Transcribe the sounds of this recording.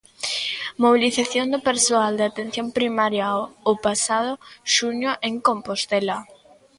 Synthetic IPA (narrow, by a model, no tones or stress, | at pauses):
moβiliθaθjond̪ʊpeɾsoald̪eat̪en̟θjompɾimaɾjawopasaðʊʃuɲʊʔeŋkompost̪ɛla